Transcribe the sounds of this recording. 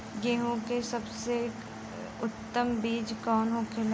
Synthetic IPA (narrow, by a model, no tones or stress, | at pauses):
ɡeːɦõkesɐbse | ʊt̪ːəmbeːd͡ʒkɔːnɦokʰel